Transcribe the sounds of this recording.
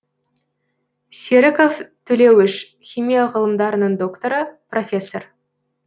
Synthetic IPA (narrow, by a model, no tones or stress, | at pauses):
sʲeɾɪko̞ft̪ʰɵle̞wɪʃ | χʲijmʲijaʁəlˠəmd̪ɑɾənəɴd̪o̞kt̪o̞ɾəpro̞fʲe̞sːor